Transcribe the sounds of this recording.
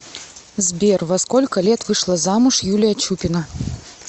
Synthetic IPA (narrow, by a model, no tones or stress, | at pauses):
zbʲɛrvɐskɔlʲkɐlʲɛt̪vɨʂlˠɐzamuʂjulʲijɐt͡ɕupʲɪnɐ